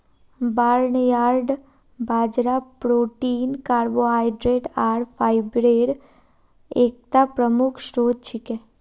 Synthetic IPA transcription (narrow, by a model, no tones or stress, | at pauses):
baːɾɳəjaɾɖ | bʱaːd͡ʒɾapɾoːʈiːnkaːɾboɦajɖɾeʈaɾfʰajbɾeɽ | ek̚t̪apɾəmukʰʃɾoːd̪̚t͡ʃʰike